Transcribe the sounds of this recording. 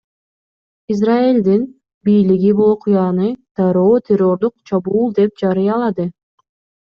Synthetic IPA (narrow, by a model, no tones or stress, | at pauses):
iz̬raelʲd̪in | bijliɡibulˠoqʰujɑnɯd̪̥ɑɾoːt̪ʲʰero̞ɾd̪uq̚t͡ʃʰɑbuːlˠd̪e̞p̚d͡ʒɑɾɯjɑlˠɑd̪ɯ